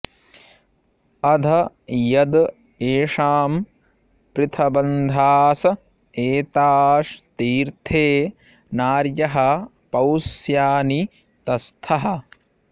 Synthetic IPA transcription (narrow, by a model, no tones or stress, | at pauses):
ɐd̪ʱɐ | jɐd̪ | eːʂaːm | pɾɪt̪ʰɐbɐnd̪ʱaːsɐ | eːt̪aːʂt̪iːɾt̪ʰeː | naːɾjɐɦɐ | pɐwsjaːni | t̪ɐst̪ʰɐɦɐ̆